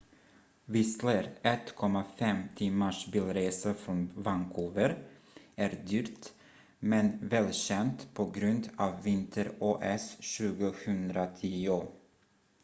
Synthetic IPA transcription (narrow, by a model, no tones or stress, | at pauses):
vɪsləɾɛt̪kʰɔmːafɛmt̪ʰɪmaʂbiːlɾeːsafɾɔnvankʰuːvəɾ | æːɾd̪yːɾt̪ | mɛnvɛːlɕɛnt̪pʰɔɡɾɵnd̪ɑːvːɪnt̪ʰəɾoːʔɛsɕʉ̟ːɡʊhɵnd̪ɾat̪ʰiːʊ